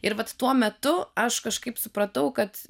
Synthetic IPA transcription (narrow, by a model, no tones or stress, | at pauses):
ɪɾʋɐt̪t̪uɔmʲɛt̪ʊɐʃkɐʃkɐɪpsʊpɾɐt̪ɐʊkɐt̪